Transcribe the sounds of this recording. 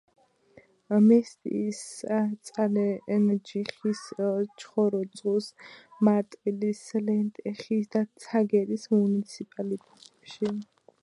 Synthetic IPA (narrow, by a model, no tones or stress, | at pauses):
mɛst̪ʼḭːst̪sʼalɛnɛd͡ʒiχist͡ʃʰʼχɔɾɔd̪sʼusmat̪ʼilislɛnt̪ʼɛχisd̪at̪sʰaɡɛɾismunit̪sʰipʼalit̪ʼɛt̪ʼɛpʃi